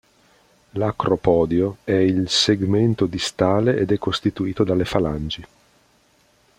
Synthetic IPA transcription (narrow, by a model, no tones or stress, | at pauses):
lakɾopɔːd̪joɛilseɡment̪od̪ist̪aːleʔed̪ɛkːost̪it̪uiːt̪od̪alːefaland͡ʒi